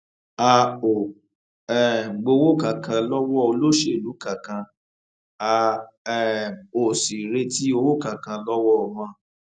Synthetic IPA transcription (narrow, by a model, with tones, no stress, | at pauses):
a˧o˨ | ɛ˨ɡ͡bo˧wo˦ka˨kʰã˧lɔ˦wɔ˦o˧lo˦˨ʃe˧˨lu˨˦ka˨kã˧ | a˧ | ɛ˨o˨si˨ɾe˧ti˦o˧wo˦˨ka˨kã˧lɔ˦wɔ˦˨mã˦˨